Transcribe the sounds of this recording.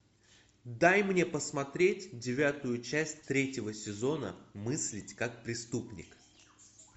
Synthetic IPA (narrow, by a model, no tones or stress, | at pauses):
d̪ajmnʲe̞pəsmɐt̪ɾʲetʲdʲɪvʲat̪ʊjʊt͡ɕæsʲtʲt̪ɾʲetʲɪvəsʲɪzo̞nə̰mɨsʲlʲɪtʲkak̚pɾʲɪst̪upnʲɪ̰k